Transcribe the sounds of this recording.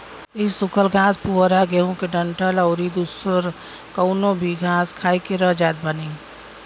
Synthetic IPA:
isʊkʰəlɡʱãːspuɾaɡeɦõkeɖəɳʈəlɔʊɾid̪usəɾ | kəʊnõbʱiɡʱãːskʰaːikeɾəɦd͡ʒaːt̪̚bəni

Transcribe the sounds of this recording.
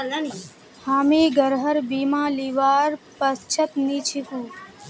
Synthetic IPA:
haːmiːɡəɾɦəɾbiːmãːliʋaːɾpəst͡ʃʰət̪niːt͡ʃʰiɦũː

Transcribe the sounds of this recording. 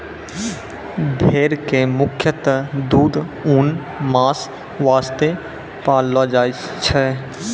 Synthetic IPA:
bʱeːɾkemʊkʰjət̪əd̪uːd̪ | uːn | maːs | ʋaːst̪e | paːlːad͡ʒaːt͡ʃʰɛ

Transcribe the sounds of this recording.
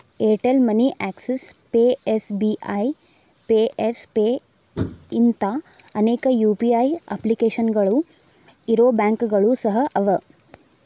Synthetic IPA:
eːʈelmɐniʔaːksespeːesbiaj | peːespeː | int̪ɐɐneːkɐjuːpiajɐ̰plikeːʃɐnɡɐɭu | iɾoːbaːŋkɡɐɭusɐɦɐʔɐʋɐ

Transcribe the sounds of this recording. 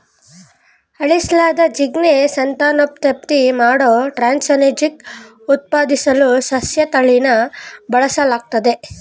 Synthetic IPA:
ɐɭislaːd̪ɐd͡ʒiɡnesɐnt̪aːnop̚t̪ɐp̚t̪imaːɽoːʈɾaːnsɐned͡ʒik | ut̪̚paːd̪isɐlusɐsjɐt̪ɐɭinɐbɐɭɐsɐlaːɡ̚t̪ɐd̪e̞

